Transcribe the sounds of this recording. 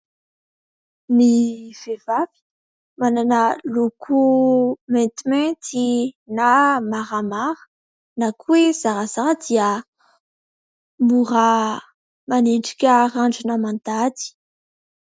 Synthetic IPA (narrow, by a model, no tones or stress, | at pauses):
miv̥evavi̥ | mananəlokʰumɛ̃nt̪imɛ̃t̪inamaʁamaɾə̥ | nakuez̥aɾazaɾəd̪iə | muɾa | maneɳʈ͡ʂi̥kʲəraɳɖ͡ʐinamãnd̪ad̪i̥